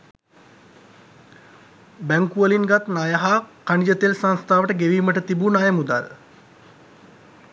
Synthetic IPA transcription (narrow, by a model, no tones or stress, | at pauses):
bæŋkuəlinɡat̪najəɦaːkaɳid͡ʒət̪elsaŋst̪ʰaːʋəʈəɡeʋiːməʈət̪ibunajəmud̪a̰l